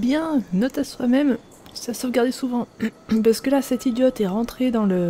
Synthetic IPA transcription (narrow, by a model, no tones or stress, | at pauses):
bjɛ̃nɔt̪aswamɛm | sasɔʁəɡaʁd̪esuvɑ̃paʁsə̥kəlasɛt̪id̪jɔt̪ɛʁɑ̃t̪χed̪ɑ̃lə